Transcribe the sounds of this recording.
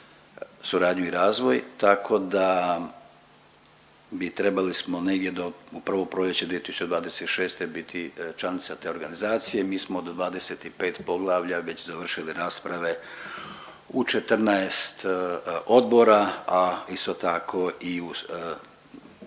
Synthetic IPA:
suɾaːd̪ɲuiɾaːzʋo̞jt̪akʰo̞d̪a | bit̪ɾe̞balismoneɡd̪je̞d̪ouprɾ̩ʋo̞pɾoʎet͡ɕed̪ʋiet̪isu̥t͡ʃt͡ɕe̞d̪ʋaːd̪e̞set̪i̥ʃeːst̪e̞bit̪ʰit͡ʃlˠanit̪sat̪e̞oɾɡanizaːt̪sijemiːsmoːd̪d̪ʋaːd̪e̞se̞t̪ipe̞ːt̪po̞ɡlˠaːʋʎaʋe̞t͡ɕzaʋr̩ʃiliɾaːspɾaʋe̞ | ut͡ʃet̪r̩naest̪o̞d̪bo̞ɾaaist̪o̞t̪akʰo̞iu

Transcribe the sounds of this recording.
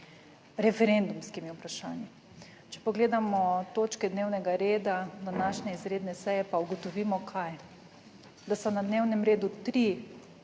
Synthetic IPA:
ɾɛfɛɾend̪umskimjɛupɾaʃa̰ːnji | t͡ʃɛ̥pɔɡleːd̪amɔt̪oːt͡ʃkɛd̪neːwnɛɡaɾeːd̪ad̪anaːʃnɛizɾeːd̪nɛsɛjɛpauɡɔt̪ɔʋiːmɔkʰaj | d̪asɔnad̪neːwnɛmɾeːd̪ut̪ɾi

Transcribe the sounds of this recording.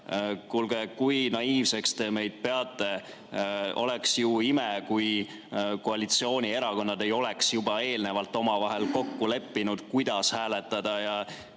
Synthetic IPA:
kulɡ̥ekujnɑiːvse̞kst̪e̞me̞jd̪̥̚pe̞ɑt̪ːˑe̞ | o̞̰le̞ksjuimekuj | ko̞ɑlit̪sio̞ːnʲie̞ɾɑko̞nːɑd̪e̞jo̞le̞ksjubɑe̞ːlne̞vɑlt̪ːˑo̞mɑvɑɦe̞lko̞kːule̞pːinud̪̥kujd̪̥ɑshæːle̞t̪ːˑɑd̪̥ɑjɑ

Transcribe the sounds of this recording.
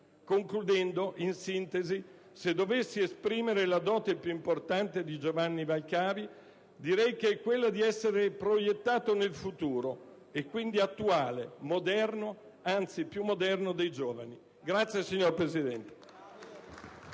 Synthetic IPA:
koŋklud̪ɛnd̪oʔinsint̪ezi | sed̪ːovesːiespɾiːmeɾelad̪ɔːt̪epjuimport̪ant̪ed̪id͡ʒovanːivalkaːvi | d̪iɾɛjkeɛkwelːad̪iɛsːeɾepɾojet̪ːaːt̪onelfut̪uːɾo | ekːwind̪iat̪ːuaːlemod̪ɛrno | ant̪sipjumːod̪ɛrnod̪ejd͡ʒoːvani | ɡɾat̪sːjesiɲːorpɾezid̪ɛnt̪e̥

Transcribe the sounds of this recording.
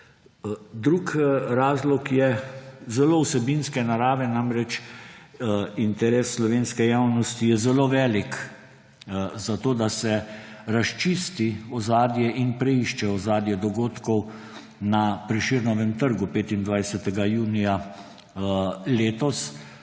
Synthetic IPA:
d̪ɾukɾaːzlɔkjɛzɛloːwsɛbinskɛnaɾaːʋɛnamɾɛt͡ʃ | int̪ɛɾeːsːlɔʋeːnskɛjawnɔst̪ijɛzɛloːʋɛːlik | zat̪oːd̪asɛɾaʃt͡ʃiːst̪iɔzaːd̪jɛʔinpɾɛiʃt͡ʃɛɔzaːd̪jɛd̪ɔɡoːt̪kɔw | napɾɛʃiɾnɔʋɛmt̪əɾɡupeːt̪ind̪ʋajsɛt̪ɛɡajuːnija | leːt̪ɔs

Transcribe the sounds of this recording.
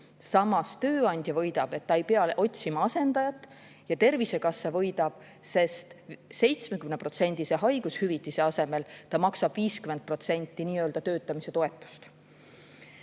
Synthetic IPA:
sɑmɑst̪ø̞ːɑnʲd̪̥ʲjɑvɤ̞jd̪̥ɑb̥e̞t̪ːɑe̞jpeɑlʔo̞t̪ʲsimɑɑse̞nd̪̥ɑjɑt̪ːˑ | jɑt̪e̞rvise̞kɑsːɑvɤ̞jd̪̥ɑb̥ | se̞st̪se̞jt̪sme̞kymne̞pro̞t̪se̞nʲd̪̥ise̞ɦɑjɡ̥ushyvit̪ˑːise̞ɑse̞me̞lt̪ɑmɑksɑb̥viːskymend̪̚pro̞t̪se̞nʲt̪ːˑiniːøld̪̥ɑt̪ø̞ːt̪ːˑɑmise̞t̪o̞e̞t̪ːˑu̥st̪

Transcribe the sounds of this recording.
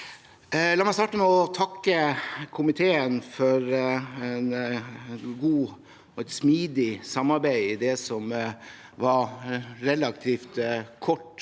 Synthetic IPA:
lɑːmɛɪst̪ɑːʈəmɛɔt̪ʰɑkːəkʰʊmɪt̪ʰeːənfɔɾɛn | ɡuː | ɔɛt̪smiːd̪ɪsɑmːɑɾbæɪɪd̪ɛsɔm | ʋɑɾɾɛlɑk̚t̪ʰiːft̪kʰɔʈː

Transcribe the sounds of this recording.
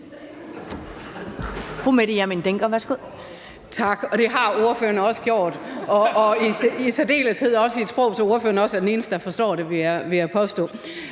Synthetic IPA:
fumeɾ̥ijæɐmind̥eŋɡ̥ɐʋæɐsɡ̥o̝ð̰ˠ | t͡sʰɑ̈ɡ̥ɒ̽d̥e̝ɦɑ̈o̝ɐfø̰ɐnəɒ̽sə̥ɡ̥jo̝̰ːd̥ɒ̽ːiisæd̥e̝̰ːləshe̝ð̞̰ˠɒ̽səied̥sb̥ʁɔ̽ʊsʰɒo̝ɐfø̰ɐnəɒ̽sæɐdene̝ːnəsd̥əd̥æfɒ̽sd̥ɒ̰ːɾe̝ʋiæʋiæpʰɒ̽sd̥ɔ̰̽ː

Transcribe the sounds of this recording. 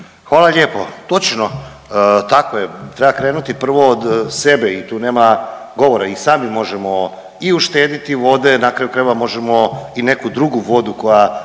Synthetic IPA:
xʋaːlaʎeːpot̪o̞t͡ʃno | t̪akojet̪ɾɛbakɾeːnut̪ipr̩ʋo̞ːd̪sebeit̪uːne̞ːmaɡo̞ʋoɾaisaːmimo̞ʒemo̞ | iuʃt̪eːd̪it̪iʋo̞d̪e̞nakɾajukɾajʋamo̞ʒemo̞inekud̪ɾuɡuʋo̞d̪uko̞ja

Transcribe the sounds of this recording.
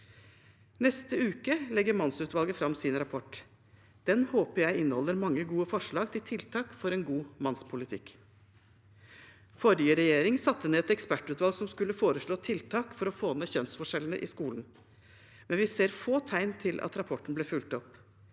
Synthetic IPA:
nɛst̪əʉːkəlɛɡːəɾmɑnsʉːt̪ʋɑlɡəfɾɑmsɪnɾɑpʰɔʈ | d̪̥ɛnhoːpəɾjæɪɪnːəhɔlːəɾmɑŋːəɡuːəfɔʂɭɑːɡt̪ʰɪlt̪ʰɪlt̪ʰɑːkfɔɾɛnɡuːmɑnspʰʊlɪt̪ʰɪk | fɔɾjəɾɛjeːɾɪŋsɑt̪ːəneːɛt̪ɛkspæʈːʉːt̪ʋɑlɡsɔmskʉlːəfoːɾəʂɭoːt̪ʰɪlt̪ʰɑːkfɔɾɔfoːneːçœnsfɔʂɛlnə̰ʔɪskuːln̩ | mɛnʋɪseːɾfoːt̪ʰæɪnt̪ʰɪlʔɑ̰t̪ɾɑpʰɔʈn̩bleːfʉlt̪ɔp

